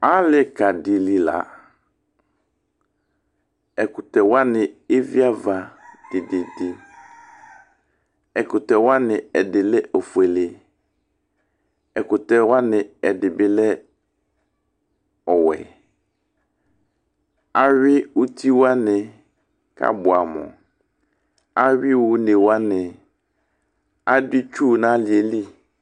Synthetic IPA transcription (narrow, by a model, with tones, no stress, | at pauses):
a˦lɪ˨ka˨dɪ˨li˨la̰˨ | ɛ˨kʊ˨tɛ˨wa˦nɪ˨e˦vi˦a˦va˨d̥ɪ˨dɪ˨dɪ˨ | ɛ˨kʊ˨tɛ˨wa˦nɪ˨ɛ˨dɪ˨lɛ˦ʔo˨fu˨ɛ˨lɪ˨ | ɛ˨kʊ˨tɛ˨wa˦nɪ˨ɛ˨dɪ˨bɪ˦lɛ˦ | ɔ˨wɛ̰˨ | a˦ɥɪ˦u˦tʰi˦wa˦nɪ̃˨ | kʰa̰˦bʊ˨a˨mɔ̰̃˨ | a˦ɥɪ˦wʊ˨˦nẽ˨wa˦nɪ̃˨ | a˦dɪ˦t͡ʃᶣu˦nã˨˦lɪ˨e˨li˦